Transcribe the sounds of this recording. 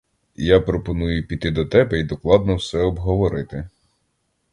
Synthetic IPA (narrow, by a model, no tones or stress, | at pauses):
japɾɔpɔnujʊpʲit̪ɪd̪ɔt̪ɛbɛid̪ɔklˠɑd̪nɔwsɛɔbɦɔʋɔɾɪt̪ɪ